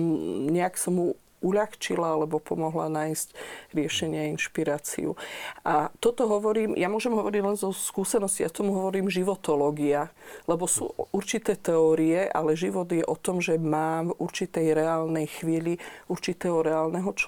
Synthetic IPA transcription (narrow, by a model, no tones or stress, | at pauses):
ɲɛaksamu | uʎaxt͡ʃilaalɛbɔpɔmɔɦla̰naːjscɾɪɛʃɛɲɪɛainʃpiɾaːt͡sḭṵʔat̪ɔt̪ɔɦɔʋɔɾiːmjamʊɔʒɛmɦɔʋɔɾiɟlɛnzɔskuːsɛnɔscijat̪ɔmuɦɔʋɔɾiːmʒiʋɔt̪ɔlɔːɡialɛbɔsṵːʔuɾt͡ʃit̪ɛːt̪ɛɔːɾiɛʔa̰lɛʒiʋɔd̪jɛʔɔt̪ɔmʒɛmaːmvuɾt͡ʃit̪ɛjɾɛaːlnɛjxʋiːliuɾt͡ʃit̪ɛːɦɔɾɛaːlnɛɦɔt͡ʃ